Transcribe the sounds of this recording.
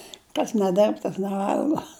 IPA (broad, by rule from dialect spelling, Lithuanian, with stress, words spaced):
kɐs nʲɛˈdʲɪrp tɐs nʲɛˈʋɐlˠɡoː